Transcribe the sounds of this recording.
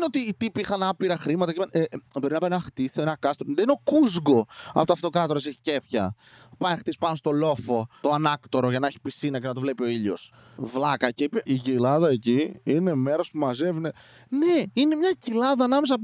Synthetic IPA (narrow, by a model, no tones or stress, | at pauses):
neot̪iːt̪ipiixɐnɐpiɾɐxɾimɐt̪ɐcimnʔebo̞ɾinɐpɐenɐxt̪iθoenɐkɐst̪ond̪eineo̞kuzɡo̞ɐ̰pot̪ɐft̪o̞kɾɐt̪o̞ɾɐseçi̥ce̞fçɐ̰ | pɐnxt̪ispɐno̞st̪o̞lo̞fo̞t̪oanɐkt̪o̞ɾo̞ʝɐnɐe̞çi̥pisinɐce̞nɐt̪ovle̞pio̞iʎo̞s | vlɐkɐceipiʝilɐðɐe̞ciine̞meɾospumɐze̞vine | ne̞ine̞mɲɐcilɐðɐːnɐmes̬ɐ